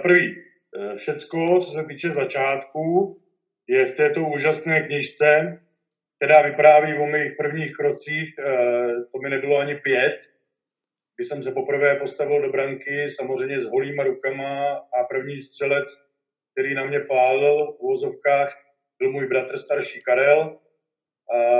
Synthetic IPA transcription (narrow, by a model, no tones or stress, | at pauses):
apr̩viː | fʃɛt͡sko̞t͡so̞sɛt̪iːt͡ʃɛzat͡ʃaːt̪ku | jɛft̪ɛːt̪o̞uːʒasnɛːkɲɪʃt͡sɛ | k̚t̪ɛɾaːvɪpɾaːviːvomɛjxpr̩vɲiːxkɾo̞t͡siːx | t̪omɪnɛbɪlo̞aɲɪpjɛt̪̚ | ɡdɪsɛmsɛpo̞pr̩vɛːpo̞st̪avɪldo̞bɾaŋkɪsamozrɛjɲɛzɦo̞liːmaɾukamaapr̩vɲiːst̪r̥ɛlɛt͡s | k̚t̪ɛɾiːnamɲɛpaːlɪlfuvo̞zo̞fkaːx | b̥ɪlmuːjbɾat̪r̩st̪aɾʃiːkaɾɛl